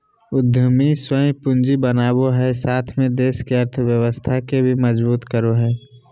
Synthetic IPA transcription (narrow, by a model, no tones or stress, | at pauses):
ʊd̪ʱjəmiswəĩpʊ̃nd͡ʒibənaːboɦɛsaːt̪ʰmẽd̪eːʃkeəɾt̪ʰəwjəʋəst̪ʰakebʱimɐzbuːt̪kəɾoɦɛː